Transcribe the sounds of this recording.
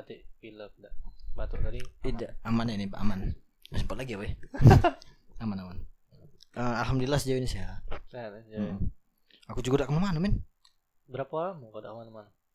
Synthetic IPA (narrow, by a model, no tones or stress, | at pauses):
at̪iʔfilək̚daʔbat̪ʊʔt̪adit̪idaʔamananibaʔa̰man | dasəmpat̪laɡiaba | amanaman | əalɦamdulilahsəd͡ʒawinisijaatasd͡ʒa | akud͡ʒuɡadaʔkəmamanʊmɪn | bəɾapamakodaʔkəmanəmanm